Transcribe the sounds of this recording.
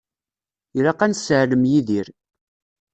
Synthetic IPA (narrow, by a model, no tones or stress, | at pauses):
ɾaqænsʕləmjiðiɾ